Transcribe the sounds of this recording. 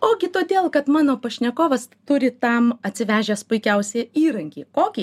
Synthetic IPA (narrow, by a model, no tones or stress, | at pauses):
oːɡʲɪt̪oːd̪ʲeːlˠkɐt̪mɑːnoːpɐʃʲnʲɛkoːʋɐst̪ʊɾʲɪt̪ɐmɐt̪ʲsʲɪʋʲæːʒʲeːspʊɪkʲɛʊsʲeːiːɾɐŋʲkʲiːkoːkʲiː